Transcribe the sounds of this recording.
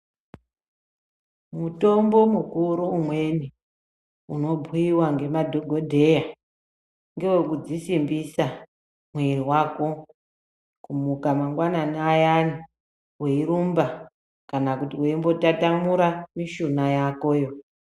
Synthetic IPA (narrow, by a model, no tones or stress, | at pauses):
muto̞mbo̞mukuɾuumwe̞ni | uno̞bʱuiwaŋɡe̞madʱoɡʱo̞dʱe̞ja | ŋɡe̞we̞kud͡zisimbisa | mwe̞riwaːko̞ | kumukamaŋɡwananajani | weiɾumba | kanakutiweimbo̞tatamuɾamiʃunajako̞ːjo̞